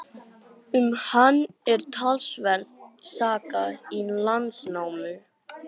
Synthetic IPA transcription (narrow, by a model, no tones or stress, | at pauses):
ʏmhanːɛɾ̥t̪ʰalsvɛɾðsaːkailant̪snaːwmʏ